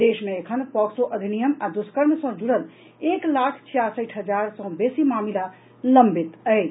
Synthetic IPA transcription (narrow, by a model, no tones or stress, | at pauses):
d̪eʃmeːkʰənpɔksoʔəd̪ʱinijəmad̪uskəɾmesɔ̃d͡ʒuɽəl | eːklaːkʰt͡ʃʰijasəʈʰɦəd͡ʒaɾsɔ̃besimaːmila | ləmbit̪əj